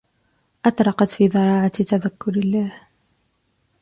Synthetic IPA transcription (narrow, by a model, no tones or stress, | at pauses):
ʔɑt̪ˤɾˤɑqɑt̪fiːðˤɑɾˤɑːʕat̪aðakːʊɾɪlːaːh